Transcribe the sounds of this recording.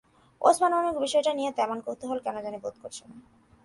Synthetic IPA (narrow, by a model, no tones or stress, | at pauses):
o̰smanbamikbiʃɔeʈanijet̪ɛmonkot̪oɦolkɛnod͡ʑanibod̪̚koɾt͡ɕʰena